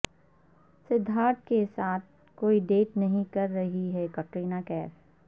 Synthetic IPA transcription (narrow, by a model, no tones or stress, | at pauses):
sɪd̪ʱːaːɾt̪̚kesaːt̪̚ʰ | koːiɖeːʈnɐɦĩkɐɾːɐɦiɦɛkɐʈɾiːnaːkɛːf